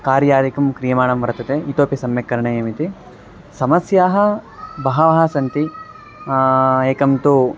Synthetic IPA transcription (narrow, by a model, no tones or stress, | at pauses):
kaːɾjaːɾikɐmkɾijɐmaːɳɐmʋɐɾɐt̪ɐt̪eːit̪oːpjɐsɐmjɐkːɐɾɐɳɐjeːmit̪i | sɐmɐsjaːɦɐ̆ | bɐɦɐʋɐɦɐsɐnt̪i | eːkɐmt̪u